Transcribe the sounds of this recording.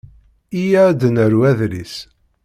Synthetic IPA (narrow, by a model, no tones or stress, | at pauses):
ijæd̪ənəɾwæðɾis